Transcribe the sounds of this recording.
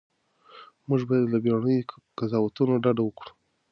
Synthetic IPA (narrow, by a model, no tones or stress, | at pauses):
muʒbɑjad̪labjɑɳəj | kazɑwat̪unoɖaɖawəkɽu̥